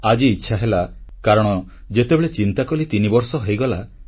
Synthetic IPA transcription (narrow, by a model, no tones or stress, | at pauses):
ad͡ʒiːtːʃʰaɦelakaɾɔɽ̃ɔ | d͡ʒet̪ebeɭet͡ʃint̪akɔlit̪inibɔɾsɔɦɔjɡɔla